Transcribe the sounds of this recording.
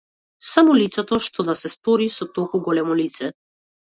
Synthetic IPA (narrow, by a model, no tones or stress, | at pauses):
samɔlit̪sɛt̪ɔʃt̪ɔd̪asɛst̪ɔɾisɔt̪ɔlˠkuɡɔlɛmɔlit̪sɛ